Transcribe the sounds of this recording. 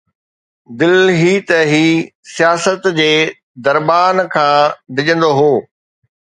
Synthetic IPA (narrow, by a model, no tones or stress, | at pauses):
d̪ɪlɦiːt̪əɦiːsijaːsət̪d͡ʑeː | d̪ɐɾbaːnkʰãːd̪ɪd͡ʑə̃nd̪oɦoː